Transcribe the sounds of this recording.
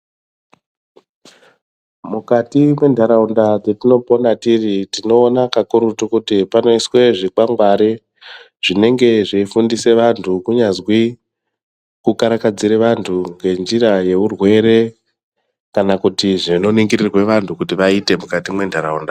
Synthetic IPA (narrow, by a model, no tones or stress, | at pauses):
mukatimwe̞ndʱaɾaundad͡zetino̞po̞natiritino̞ːnakakuɾutukutipano̞iswe̞ʐikaŋɡwaɾe | ʐ̥ine̞ŋɡe̞ʐeifundise̞ʋantʰukuɲazwi | kukaɾakad͡ziɾeʋantʰuŋɡe̞nd͡ʒiɾaje̞urwe̞ɾe̞ | kanakutiʐino̞niŋɡirirweʋantʰukutiʋaite̞mukatimwe̞ndʱaɾaunda